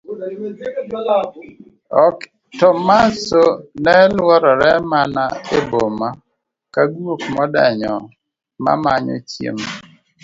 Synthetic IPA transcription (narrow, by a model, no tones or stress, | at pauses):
ɔk | tɔmasonɛlwɔɾɔɾɛmanaeboma | kaɡwokmɔda̰ɲɔ | ma̰maɲɔ̰t͡ʃjḛm